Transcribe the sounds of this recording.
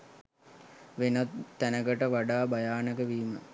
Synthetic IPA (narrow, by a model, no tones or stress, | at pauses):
ʋenat̪ːænəɡəʈəʋaɖaːbajaːnəkəʋiːmə